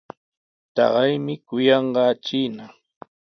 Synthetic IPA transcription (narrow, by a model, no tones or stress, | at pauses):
t̪ɑ̰ɢɑjmɪkʊjɑɴɢɑt͡ʃiːna